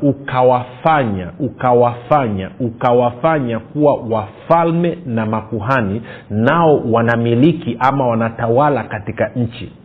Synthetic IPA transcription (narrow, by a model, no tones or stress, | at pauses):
ukawafaɲaukawafaɲaukawafaɲakuwawafalmɛnamakuɦaninaɔwanamilikiʔamawanatawalakatikaɲ̩t͡ʃḭ